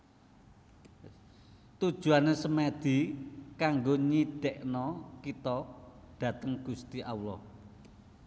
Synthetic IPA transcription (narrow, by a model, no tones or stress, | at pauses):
t̪ud̥ʒ̥ṳanesəmɛd̪̥i̤kaŋɡoɲid̪̥eʔnɔkit̪ɔ | ɖ̥ä̤t̪əŋɡ̥ust̪iʔaulɔ̰h